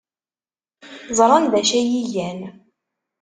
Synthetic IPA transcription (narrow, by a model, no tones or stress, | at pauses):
zˤɾˤɑnðæʃæjijæn